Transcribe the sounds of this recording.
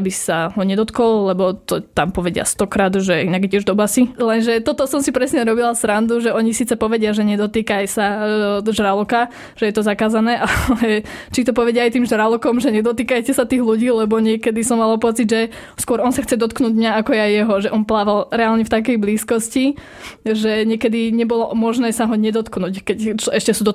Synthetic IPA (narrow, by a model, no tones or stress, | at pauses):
abisaɦɔɲɛd̪ɔt̪kɔllɛbɔt̪ɔt̪ampɔʋɛɟɪa̰st̪ɔkɾaːd̪ʒɛinaɡɛcɛʒd̪ɔbasilɛnʒɛt̪ɔt̪ɔsɔmsipɾɛsɲɛɾɔbilasɾand̪uʒɛɔɲisiːt͡sɛpɔʋɛɟɪaʒɛɲɛd̪ɔt̪iːkajsaʒɾalɔka | ʒ̥ɛjɛt̪ɔzakaːzanɛːʔallɛt͡ʃit̪ɔpɔʋɛɟɪaajt̪iːmʒɾalɔkɔmʒɛɲɛd̪ɔt̪iːkajcɛsat̪iːɣluɟiːlɛbɔɲɪɛkɛd̪isɔmːalapɔt͡sid̪ʒɛ | skʊɔɾɔnsaxt͡sɛd̪ɔt̪knuːɟmɲaakɔjɛajːɛɦɔʒɛʔɔnplaːʋalɾɛaːlɲɛft̪ak̬ɛjbliːskɔsci | ʒɛɲɪɛkɛd̪iɲɛbɔlɔmɔʒnɛːsaɦɔɲɛd̪ɔt̪knuːckɛct͡ʃɔɛʃcɛsud̪ɔ